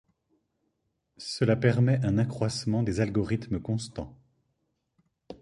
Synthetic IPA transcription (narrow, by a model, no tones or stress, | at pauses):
səlapɛʁmɛʔɛ̃nakχwasmɑ̃d̪ezalɡɔʁit̪məkɔ̃st̪ɑ̰̃